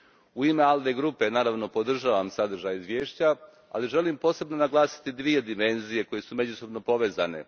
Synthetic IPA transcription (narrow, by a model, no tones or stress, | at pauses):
uime̞alˠd̪e̞ɡɾupe̞naːɾaʋno̞po̞d̪r̩ʒaːʋamsad̪r̩ʒajizʋje̞ːʃt͡ɕa | a̰liʒe̞limpo̞ːse̞bno̞naɡlˠaːsi̥t̪id̪ʋije̞d̪ime̞nzije̞ko̞je̞sume̞d͡ʑuso̞bno̞po̞ʋe̞ːza̰ne̞̰